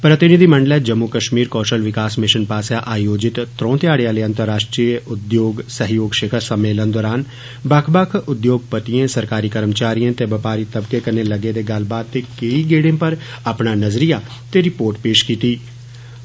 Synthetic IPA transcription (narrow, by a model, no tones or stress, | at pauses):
pɾət̪ɪnɪd̪iːməɳɖəlɛːd͡ʒəmːukəʃmiːɾkɔːʃəlʋɪkaːsmɪʃənpaːsjaːʔaːjoːd͡ʒɪt̪t̪ɾɔ̃ːt̪ɪaːɽeãːleːə̃nt̪əɾːaːʃʈɾiːʔʊd̪joːɡsəɦjoːɡʃɪkʰəsəmeːlənd̪ɔːɾaːn | bəkʰbəkʰʊd̪joːɡ̚pət̪iãːsəɾkaːɾiːkəɾmt͡ʃaːɾijãːt̪eːʋəpaːɾiːt̪əbkeːkəneːləɡeːd̪eːɡəlbaːt̪̚t̪ːeːkeiːɡeːɽẽːpəɾ | apɳaːnəzɾijaː | t̪eːɾɪpoːɾʈpeːʃkiːt̪iː